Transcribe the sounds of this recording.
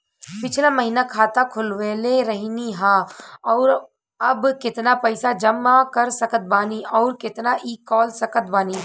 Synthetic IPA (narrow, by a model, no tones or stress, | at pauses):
pɪt͡ʃʰlaməɦiːnakʰaːt̪akʰʊlʋeːleɾɐɦniɦãːɔːɾ | ɐbkɪt̪napəɪsad͡ʒɐmakɐɾsɐkət̪̚baːniɔːɾkɪt̪naʔiːkːɔːlsɐkət̪̚baːni